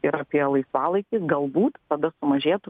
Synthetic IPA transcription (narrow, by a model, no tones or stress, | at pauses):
ɪɾɐpʲiɛlˠɐɪsʋɑːlˠɐɪkʲɪɡɐlˠbuːt̪t̪ɐd̪ɐsʊmɐʒʲeːt̪ʊ